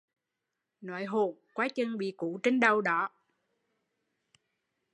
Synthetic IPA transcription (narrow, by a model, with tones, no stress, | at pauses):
na̰˧˦jɦo˧˨nkwaː˨˦t͡ɕə˧ŋɓḭ˧˨ku˧˨˦t͡ɕe˧ŋɗə˨˧wɗɔ˨˦